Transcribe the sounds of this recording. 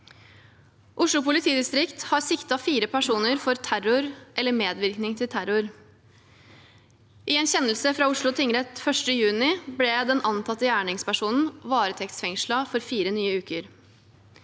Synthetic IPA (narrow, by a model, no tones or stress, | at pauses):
ʔʊʂɭʊpʊlɪt̪ʰiːd̪ɪst̪ɾɪkt̪hɑɾsɪkt̪ɑfiːɾəpʰæʂuːnəɾfɔɾt̪ʰæɾʊɾʔɛlːəɾmeːd̪ʋɪɾknɪŋt̪ʰɪlt̪ʰæɾʊɾ | ʔɪɛnçɛnːəl̩səfɾɑʊʂɭʊt̪ʰɪɪŋɾɛt̪fœʂʈəjʉːnɪblɛd̪ɛnʔɑnt̪ʰɑt̪ːəjæːɳɪŋspæʂuːnn̩ʋɑːɾət̪ʰɛkt̪sfɛŋʂlɑfɔɾfiːɾənyːəʉːkəɾ